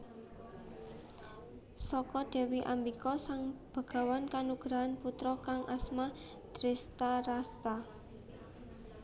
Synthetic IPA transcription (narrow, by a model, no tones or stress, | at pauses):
sɔkɔd̪̥e̤wiʔambikɔsaŋb̥a̤ɡ̥a̤wankanuɡ̥ɾaanput̪ɾɔkaŋʔasma | d̪̥ɾest̪aɾast̪a